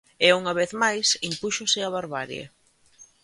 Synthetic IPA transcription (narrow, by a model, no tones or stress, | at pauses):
ɪuŋɐβeθmajsimpuʃʊsɪaβaɾβaɾjḛ